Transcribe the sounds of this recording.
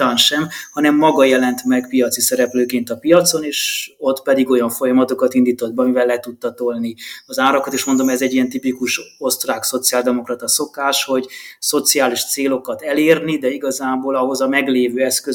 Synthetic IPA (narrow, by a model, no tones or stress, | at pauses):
aːnʃɛmhɒnɛmːɒɡɒjɛlɛnt̪mɛkpijɒt̪sisɛɾɛpløːkeːnt̪ɒpijɒt̪so̞neːʃo̞t̪pɛd̪iɡo̞jɒɱfo̞jɒmɒt̪o̞kɒt̪ind̪iːt̪od̪̚bɛɒmivɛlːɛt̪ut̪ːɒt̪olniɒzaːɾɒkɒt̪eːʃmo̞nd̪o̞mɛzɛɟijɛnt̪ipikuʃo̞st̪raːkso̞t̪siaːld̪ɛmo̞krɒt̪ɒso̞kaːʃho̞ɟso̞t̪siaːliʃt̪seːlo̞kɒt̪ɛleːrnid̪ɛiɡɒzaːboːlɒɦo̞zɒmɛɡleːvøːɛskø